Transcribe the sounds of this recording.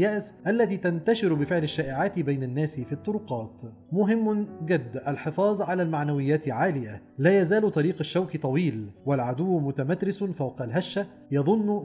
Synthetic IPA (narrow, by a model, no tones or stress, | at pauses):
jaːʔsʔalːæt̪iːt̪ant̪aʃɪɾbɪfɪʕlaʃːaːʔɪʕaːt̪bajnanːaːsɪfiːt̪ˤːʊɾʊqɑːt̪ | mʊɦɪmːʊnɡɪd̪ːʔalħɪfɑːzˤʕalaːlmaʕnawɪjːaːt̪ɪlʕaːlɪja | læːjæzaːlt̪ˤɑɾiːqaʃːawkit̪ˤɑwiːlwalʕad̪ʊwːmʊt̪amat̪ɾɪsʊnfawqɑlɦaʃːa | jɑðˤʊnːʊ